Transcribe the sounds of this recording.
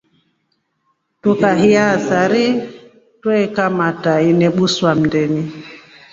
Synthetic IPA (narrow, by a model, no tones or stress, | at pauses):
tukaɦiasaɾi | twɛɛkamatainɛɓuswam̩dɛni